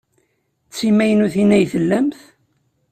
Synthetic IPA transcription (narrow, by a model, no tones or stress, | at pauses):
t͡sːimæjənuθinæjθəlːæmθ